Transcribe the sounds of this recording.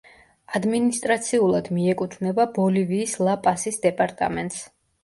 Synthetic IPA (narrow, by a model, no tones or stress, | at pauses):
ad̪minist̪ʼɾat̪sʰiulˠad̪miɛkʼut̪ʰvnɛbabɔliviːslˠapʼasisd̪ɛpʼaɾt̪ʼa̰mɛnt̪ʼs